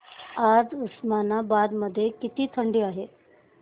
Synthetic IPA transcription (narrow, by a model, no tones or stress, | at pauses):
ad͡zusmanabad̪məd̪ʱːjekit̪iːt̪ʰəɳɖiːaɦe